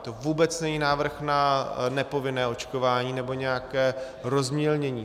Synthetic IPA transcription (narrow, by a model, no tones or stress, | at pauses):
t̪ovuːbɛt͡snɛɲiːnaːvr̩xnanɛpo̞vɪnɛːo̞t͡ʃkovaːɲiːnɛbo̞ɲɛjakɛː | ɾo̞zmɲɛlɲɛɲiː